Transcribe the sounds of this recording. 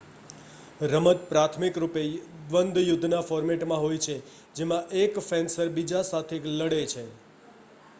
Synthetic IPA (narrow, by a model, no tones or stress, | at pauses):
ɾəmət̪pɾat̪ʰmikɾupeʋənd̪jʊd̪ʱnafɔɾmeʈmãɦojt͡ʃʰe | d͡ʒemãʔekfensəɾbid͡ʒasat̪ʰekləɽet͡ʃʰe